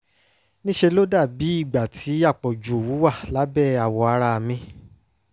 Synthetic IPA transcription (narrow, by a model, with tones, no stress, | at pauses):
nĩ˦ʃe˧lo˦da˦˨bi˨˦i˦˨ɡ͡ba˨tʰi˨˦a˦˨k͡pɔ˨d͡ʒu˨o˨wu˨˦wa˦˨la˨˦bɛ˦˨a˨wɔ˧a˧ɾa˧mĩ˧